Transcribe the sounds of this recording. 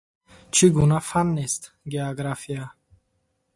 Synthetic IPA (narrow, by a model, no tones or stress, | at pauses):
t͡ʃʰiɡunafanːest̪ | ɡeoɡɾafija